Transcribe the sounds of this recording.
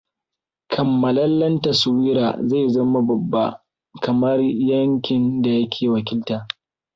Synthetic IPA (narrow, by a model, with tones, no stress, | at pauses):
kʰɐ˨mːɐ˨lɐ˦lːɐ˦nta˨sʊ˨wiː˦ɾa̰ː˨za˦˨jzɐ˦ma˦bɐ˨bːa˦ | kɐ˨mɐ˦rjɐ˦ŋkʲɪ˨nda˨jɐ˦kʲʰeː˨wɐ˨kʲɪ˦ltaː˨